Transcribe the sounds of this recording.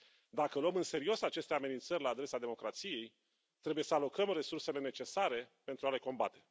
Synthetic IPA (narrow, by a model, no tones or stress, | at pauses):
d̪akəluəmɨnse̞ɾio̞sat͡ʃe̞st̪e̞ame̞nint̪sərʲlaːd̪ɾe̞sad̪e̞mo̞kɾat̪sije̞j | t̪ɾe̞buje̞səalo̞kəmre̞surse̞le̞ne̞t͡ʃe̞saɾe̞pe̞nt̪ɾuale̞ko̞mba̰t̪e̞̥